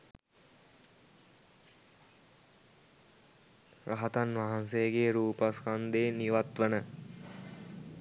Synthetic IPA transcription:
ɾaɦat̪anʋaɦansejəɡeːɾuːpaskand̪eːniʋat̪ʋənə

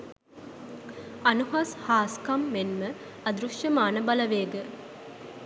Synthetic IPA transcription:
ɐnuɦashaːskɐmːenmə | ɐd̪ɾuʃjɐmaːnəbɐlɐʋeːɡə

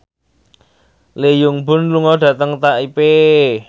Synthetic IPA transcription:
lejʊŋbʊ̤nluŋɔɖ̥ä̤t̪əŋt̪aʔipe

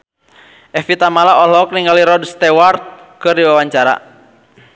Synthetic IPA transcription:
ʔɛfit̪amalaʔɔlɔk̚niŋɡaliɾɔdst̪ɛwart̪̚kɨrdiwawaɲt͡ʃaɾa̰

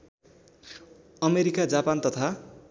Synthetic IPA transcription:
ʌmeɾikad͡zapant̪ʌt̪ʰa

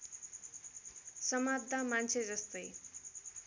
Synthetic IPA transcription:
sʌmab̚d̪ʱamant͡sʰed͡zʌst̪ʌj

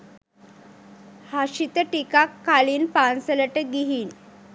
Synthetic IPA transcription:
haɕit̪əʈikakːaliːnpansələʈəɡiɦiːn

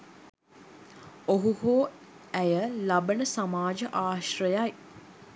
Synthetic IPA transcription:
oɦuhoː | æjəlabənəsamaːd͡ʒəʔaːʃrəjaj

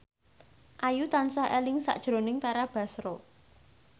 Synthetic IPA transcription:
ʔajut̪ansahelɪŋsa̰ʔd̥ʒ̥ɾo̤nɪŋt̪aɾab̥a̤sɾo

